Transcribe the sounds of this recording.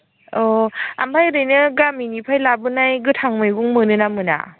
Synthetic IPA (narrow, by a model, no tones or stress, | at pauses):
ɔa̰mpʰajɾɯjnɯɡaminipʰajlabɯnajɡɯtʰaŋmɯjɡuŋmɯnɯnamɯna̰